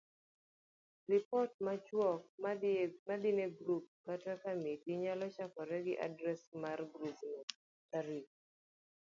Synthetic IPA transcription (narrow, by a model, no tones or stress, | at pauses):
rɪpɔt̚mat͡ʃwɔk̚mmadɪneɡɾup̚katakamitiɲalɔt͡ʃakɔɾɛɡɪʔa̰dɾɛsmarɡɾupnɔ | aɾik̚